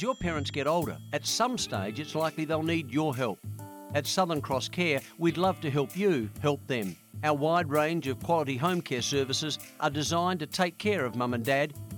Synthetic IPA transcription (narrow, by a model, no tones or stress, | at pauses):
zjə˞pʰɛɹɨ̃ntsɡ̥ɛɾoʊlˠɾə̰˞ɨtsʌ̃msteɪd͡ʒɨtslaɪkliðeɪlˠnid͡ʒə˞ɦɛlˠp̚ | ɨtsʌðə̃˞nkʰɹ̥ɔskʰɛɹwidˡlʌv̥tɨɦɛlˠpjɨhɛlˠp̚ðɨ̃m | aʊə˞waɪd̚ɹẽɪ̃nd͡ʒʌv̥kʰw̥ɑlˠəɾiɦõʊ̃mkʰɛɹsɜ˞vɨsɨz | ʔə˞dɨzãɪ̃ntɨtʰeɪkʰːɛɹʌvmʌ̃mɨ̃ndæd̚